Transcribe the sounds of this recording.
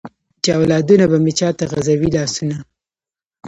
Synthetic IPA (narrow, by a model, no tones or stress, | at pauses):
t͡ʃɑwlɑd̪unabamet͡ʃɑt̪aɣazawilɑsuna